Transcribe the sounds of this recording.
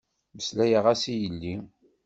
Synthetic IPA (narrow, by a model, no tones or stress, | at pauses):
məslæjəʁæsijəlːi